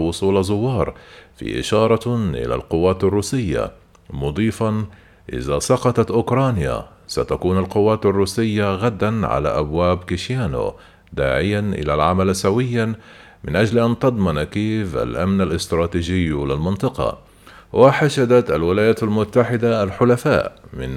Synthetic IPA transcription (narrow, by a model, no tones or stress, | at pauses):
wʊsˤuːlazˤʊwːɑːɾˤfḭːʔɪ̰ʃɑːɾˤɑʔɪ̰la̰lqʊwːaːt̪arˤːuːsɪjːa̰ | mʊd̪ˤiːfɑn | ʔɪ̰ðasˤɑqɑt̪ˤɑt̪ʔʊkɾˤɑːnja̰ | sat̪akuːnalqʊwːaːt̪arˤːuːsɪjːaɣad̪ːanʕa̰la̰ʔabwaːbkɪʃjaːno̰ | d̪aːʕɪjːanʔɪ̰lalʕamalsawɪjːa | mɪnʔad͡ʒlʔant̪ɑd̪ˤmɑnkeːfʔa̰lʔamnalʔɪst̪ɾˤɑːt̪iːd͡ʒɪjːlɪlmɪnt̪ˤɨqɑ̰ | wʔaħaʃad̪at̪ʔalwɪlaːjaːt̪almʊt̪ːaħɪd̪aalħʊlafa̰ːʔmɪ̰n